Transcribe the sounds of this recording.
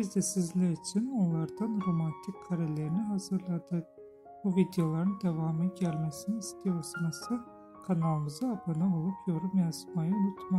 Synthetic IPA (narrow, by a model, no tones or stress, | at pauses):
bizd̪ɛsizlʲæɾit͡ʃʰino̞nlˠaɾd̪anɾo̞mant̪ʰicʲkʰːaɾelʲeɾiniɦazɯɾlˠad̪ɯ | b̥uvid̪ejo̞lˠaɾɯnd̪evaːmɯɟælʲmesiniist̪ʰijo̞lˠsɯnasɯ | kʰanalˠɯmɯzɯabɯnɯo̞lˠupʰjo̞ɾumjasmajɯunˠut̪ma